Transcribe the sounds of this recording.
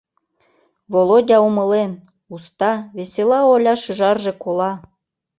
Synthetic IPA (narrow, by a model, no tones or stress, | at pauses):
βolˠodʲɑumɤlen | ust̪ɑβeselɑolʲɑʃəʒɑrʒĕkolɑ